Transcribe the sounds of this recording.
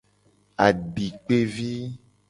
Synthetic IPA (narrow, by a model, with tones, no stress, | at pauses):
a˨ɖi˨k͡pe˦vi˦